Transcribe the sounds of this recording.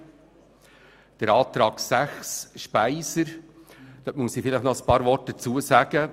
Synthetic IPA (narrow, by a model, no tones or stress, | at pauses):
d̥əɾɑːt̪ɾɑːksæχsʃpæɪsəɾd̥ɔtmuəsifɪlɪχnɔəspɑːɾvɔrt̚d̥ət͡suəsæɡ̥ə